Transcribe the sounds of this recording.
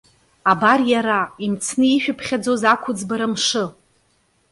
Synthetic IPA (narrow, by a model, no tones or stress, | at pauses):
abarjaɾaimt͡sʰnɨiʃᶣapʰχʲad͡zozakʷʰʊd͡zbaɾamʂɨ